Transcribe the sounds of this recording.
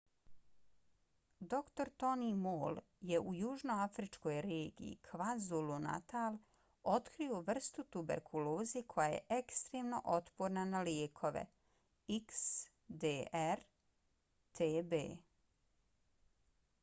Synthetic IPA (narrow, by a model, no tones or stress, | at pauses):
d̪o̞kt̪o̞ɾt̪o̞nimoːl | je̞ʔujuːʒno̞afɾit͡ʃko̞jɾeːɡḭḭkʰʋazuluna̰t̪al | o̞t̪kɾio̞ʋr̩st̪ut̪ubeɾkʰuloːzikʰo̞jajḛʔekst̪ɾeːmno̞̰ʔo̞t̪poɾnanaljeːkʰo̞ʋḛ | iks | d̪eːɛɾ | t̪ʰeːbḛː